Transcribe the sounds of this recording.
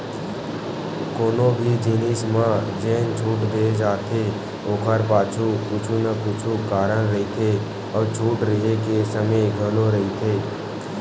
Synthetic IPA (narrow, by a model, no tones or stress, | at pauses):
koːnõbʱid͡ʒiːnɪsmãd͡ʒeːnt͡ʃʰuːʈd̪eːd͡ʒaːt̪ʰe | oːkʰəɾpaːt͡ʃʰuput͡ʃʰunapuːt͡ʃʰukaːɾəɽɾəɦit̪ʰe | ɔːɾt͡ʃʰuːʈɾəɦekesəməjɡʱəloɾɐɦit̪ʰeː